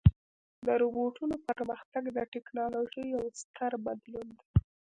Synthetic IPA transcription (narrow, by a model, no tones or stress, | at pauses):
d̪əɾuboʈunopəɾməxt̪aɡd̪əʈɪknɑloʒəjːawst̪əɾbad̪lund̪a